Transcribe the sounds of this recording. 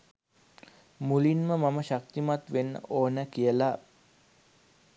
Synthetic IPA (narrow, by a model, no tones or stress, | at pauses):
mulinməmaməʃak̚t̪imat̪ʋenːə̰ʔoːnəkijəla